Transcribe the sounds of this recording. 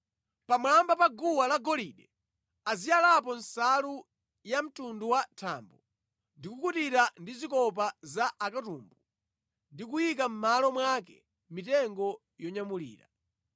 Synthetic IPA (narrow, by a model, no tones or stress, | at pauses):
pamlambapaɡuwalaɡɔliɗɛ | azijalap̬ɔnsalu | jam̩tunduwatʰa̰mbu | ndikukutiɾandizikɔp̬azaʔakatumbu | ndik̬ujik̬am̩malɔmwakɛ | mitɛŋɡɔ | jɔɲamulḭːɾa̰